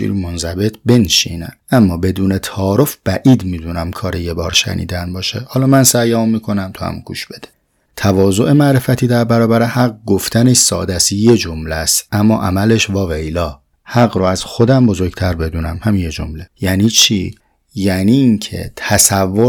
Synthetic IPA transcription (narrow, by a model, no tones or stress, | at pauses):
ʃḭːɾmonzæbe̞t̪ʰbe̞nʃḭːnæ̰ʔæmːɒːbe̞d̪uːnet̪ʰɒːɾofb̥æʔiːd̪miːd̪unæmkʰɒːɾejebɒːɾʃæ̰nḭːd̪ænbɒːʃehɒːlɒːmænsæjɒmːiːkʰo̞næmt̪ʰuhæ̰muɡ̥ṵːʃb̥e̞d̪e̥ | t̪ʰævɒːzo̞ʔe̞mæɾe̞fæt̪ʰiːd̪æɾbæɾɒːbæɾehæɣ̚ɡoft̪ʰæneʃsɒ̰ːd̪æsje̞d͡ʒomlæst̪ʔæmːɒːʔæmæleʃvɒːvejlɒː | hæɣɾoæz̥xo̞d̪æmbo̞zo̞ɾɡt̪ʰæɾbe̞d̪uːnæmhæminjed͡ʒo̰mle̞jæːniːt͡ʃʰi | jæniːncʰe̞̰t̪ʰæsævːo